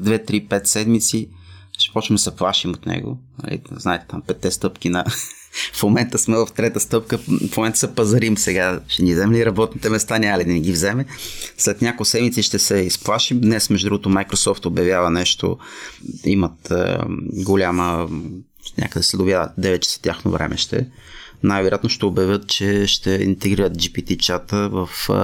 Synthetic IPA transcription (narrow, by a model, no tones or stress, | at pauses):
d̪vɛt̪ɾipɛt̪sɛd̪mit̪siʃɛ̥pɔt͡ʃəmd̪sɛplˠaʃimot̪nɛ̰ɡo̰nɐ̰lḭznaɛt̪ɛ̥t̪ampɛt̪ːɛst̪ɤpkinɐ | fmomɛnt̪əsmɛvɐft̪ɾɛt̪əst̪ɤp̚kəfmomɛnt̪əsɐpɐzɐɾimsɛɡaʃɛnivzɛmɛliɾɐbɔt̪nit̪ɛmɛst̪anʲaməlid̪ɐniɡʲivzɛmɛslɛt̪nʲakojsɛd̪mit̪siʃt̪ɛsɛisplˠaʃid̪nɛsmɛʒʊd̪ɾuɡot̪omajkɾosɔft̪objɐvʲjavənɛʃt̪o̰ | ḭmət̪ɡolʲamə | nʲʔa̰kəd̪ɛsɛd̪ovʲjavə̰d̪ɛvɛt̪̚t͡ʃə̥sə̥t̪ʲjaxno̰vɾʔɛ̰mʔɛ̰ʃt̪ɛ̰ | najvɛɾjat̪noʃt̪ɛobjɐvʲjɤt̪̚t͡ʃɛʃt̪ɛḭnt̪ɛɡɾiɾət̪̚d͡ʒipit̪it͡ʃat̪əvəf